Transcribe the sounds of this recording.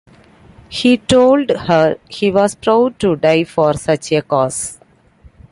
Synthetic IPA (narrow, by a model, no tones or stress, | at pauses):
hiːʈoːlɖhəɾhiːʋɔːzpɾaʊɖ̚ʈuɖaɪfɔːɾsʌt͡ʃekɔːs